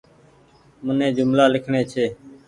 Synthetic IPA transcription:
mʊnẽːd͡ʒʊmlaːlɪkʰɳeːt͡ʃʰeː

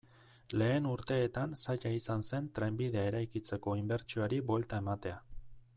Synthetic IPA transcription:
le̞ːnuɾt̪e̞ːt̪ansaʎaisanse̞nt̪ɾe̞mbiðe̞ae̞ɾajkit͡se̞ko̞imbe̞ɾt͡ʃioaɾibwe̞lt̪ae̞mat̪e̞a

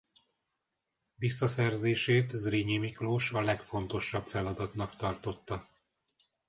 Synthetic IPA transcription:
visːɒsɛrzeːʃeːt̪zriɲemikloːʃɒlɛkfo̞nt̪o̞ʃːɒbfɛlɒd̪ɒt̪nɒkt̪ɒrt̪o̞t̪ːɒ

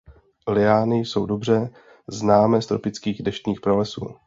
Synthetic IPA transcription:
lɪaːnɪso̞wdo̞br̝ɛ | znaːmɛːst̪ɾo̞pɪt͡skiːɣdɛʃt̪ɲiːxpɾolɛsṵː

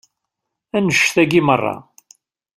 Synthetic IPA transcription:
ænəʃθæɡimərˤːɑ̰

